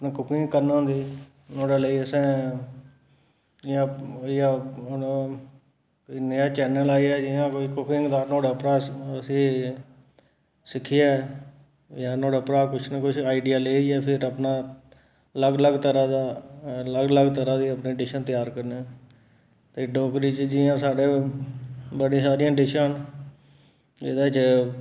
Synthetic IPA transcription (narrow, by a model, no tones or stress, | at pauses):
əpnãːkʊkɪ̃ŋɡkəɾñːnd̪iː | noːɽaːləiːəsɛ̃ː | d͡ʒãːijã | koiːnəjaːt͡ʃɛːnəlaːiːɛːd͡ʒɪjãːkoːiːkʊkɪŋɡd̪aːnoːɽpɾaːəsĩː | sɪkʰːɪaː | jaːnõːɖəpɾaːkʊt͡ʃʰnəkʊt͡ʃʰaːiɖijaːleːiɛːpʰɪɾəpnaː | ləɡləɡt̪əɾãːd̪aːləɡləɡt̪əɾãːd̪iːəpniːɖɪʃənt̪ɪjaːɾkəɾneː | t̪eːɖɔːkɾiːt͡ʃd͡ʒɪːãːsaːɖeː | bəɽĩːsaːɾɪjãːɖɪʃaːn | d͡ʒḛːd̪aːt͡ʃ